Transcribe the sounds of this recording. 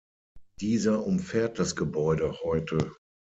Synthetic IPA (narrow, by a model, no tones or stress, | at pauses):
d̥iːzɐʔʊmfɛːɐt̚d̥asɡ̥əbɔʏdəhɔʏtʰə